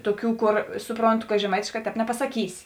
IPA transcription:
ˈtoːˌkʲuː ˈkoːr ˈsʊproːnˌtʊ kɐ ʒʲɛˈmɐɪtʲeːʃˌkɑː ˈtʲɛːp nʲɛpɐsɐˈkʲiːsʲɪ

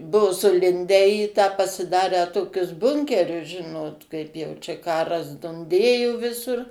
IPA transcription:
ˈbuɔ sʊˈlʲɪnʲdʲæː iː tɑː pɐsʲɪˈdɑːrʲæː ˈtoːkʲʊs ˈbʊŋʲkʲɛrʲʊs ˈʒʲɪnoːt ˈkɐɪp jɛʊ ˈt͡ʃʲɛ ˈkɑːrɐs dʊnʲˈdʲeːjoː ˈʋʲɪsʊr

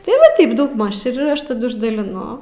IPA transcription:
tɐɪ ˈʋɐ ˈtɐɪp dɐʊɡˈmɐʃ ɪr ˈɐʃ tɐˈdʊ ɪʒdɐlʲɪˈnʊ

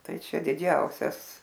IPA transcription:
ˈtɐɪ ˈt͡ʃʲɛ dʲɪˈd͡ʒʲɛʊsʲɛs

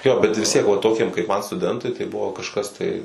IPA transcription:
ˈjoː bʲɛt ʋʲɪs tʲiɛk ʋɐ ˈtoːkʲiɛm kɐɪp mɐn stʊˈdʲɛntʊɪ tɐɪ ˈbʊʋoː kɐʃˈkɐs tɐɪ

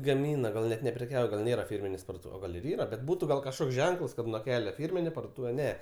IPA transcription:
ɡɐˈmʲiːnɐ ˈɡɐlˠ nʲɛt nʲɛpʲrʲɛˈkʲɛʊjɛ ɡɐlˠ ˈnʲeːrɐ ˈfʲɪrʲmʲɪnʲeːs pɐrduɔˈtuːʋʲɛs oː ˈɡɐlʲ ɪr ˈiːrɐ bʲɛt ˈbuːtʊ ɡɐlˠ kɐʃˈkoːks ˈʒʲɛŋkəlˠs kɐt nuɔ ˈkʲæːlʲɛ ˈfʲiːrʲmʲɪnʲeː pɐrduɔˈtuːʋʲɛ ˈnʲɛ

